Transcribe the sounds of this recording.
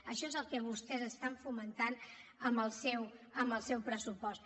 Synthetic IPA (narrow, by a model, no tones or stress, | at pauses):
əʃɔezəlˠkɛβust̪ɛzəst̪aɱfumənt̪anəmbəlˠsɛwəmbəlˠsɛwpɾəsupɔst̪̚